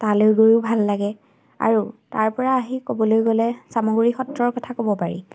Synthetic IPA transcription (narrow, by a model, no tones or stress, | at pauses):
taleʊɡoɹubʱalːaɡɛ | a̰ɹutaɹpɔɹaːɦikobɔlojɡɔlɛsamoɡuɹixɔtɹɔɹkɔtʰakobɔpaɹḭ